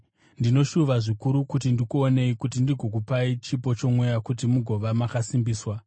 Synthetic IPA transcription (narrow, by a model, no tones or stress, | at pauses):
ndino̞ʃuʋaʐikuɾukut̬indikuone̞ikutindiɡʱo̞k̬upait͡ʃipo̞t͡ʃo̞mwejakutimuɡʱo̞ʋamakasimbiːswa